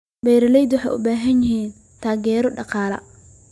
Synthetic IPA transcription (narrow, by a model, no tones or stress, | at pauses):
bɛjɾɐlɛjd̪wɑħɑ̰jʔʊ̰baːɦɐnjɪɦiːn | t̪ʰaːɡɛːɾɔɖɑqɑːlɐ̰